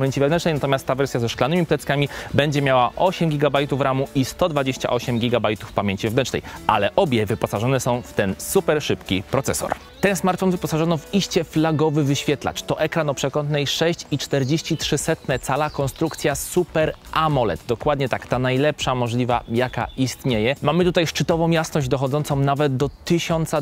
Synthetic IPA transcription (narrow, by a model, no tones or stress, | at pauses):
mʲeɲt͡ɕivɛvnɛnt͡ʂnɛjnat̪ɔmʲast̪ːavɛɾsʲjazɛʂklanɘmʲiplɛt̪skamʲibɛɲd͡ʑɛmʲjawaʔɔɕɛmɡʲiɡabajt̪ufɾamuʔist̪ɔd̪vad͡ʑeɕt͡ɕa̰ʔɔɕɛmɡʲiɡabajt̪ufpamʲjeɲʲt͡ɕivɛvnɛnt͡ʂnɛ̰jʔa̰lɛʔɔbʲjɛvɘpɔsaʐɔnɛsɔ̃w̃ft̪ɛnsupɛɾʂɘpkʲipɾɔt̪sɛ̰sɔ̰ɾ | t̪ɛnsmaɾt̪fɔnvɘpɔsaʐɔnɔviɕt͡ɕɛflaɡɔvɘvɘɕfʲjɛt̪la̰t͡ʂt̪ɔʔɛkɾanɔpʂɛkɔnt̪nɛjʂɛɕt͡ɕit͡ʂt̪ɛɾd͡ʑeɕt͡ɕitʂɘsɛt̪nɛt̪salakɔnst̪ɾukt̪sʲjasupɛɾʔamɔlɛ̰t̪d̪ɔkwad̪ɲɛt̪akt̪anajlɛpʂamɔʐlʲiva̰jaka̰ist̪ɲejɛmamɘt̪ut̪ajʂt͡ʂɘt̪ɔvɔ̃w̃jasnɔʑd͡ʑd̪ɔxɔd̪zɔnsɔ̃w̃navɛd̪d̪ɔt̪ɘɕɔnt̪sa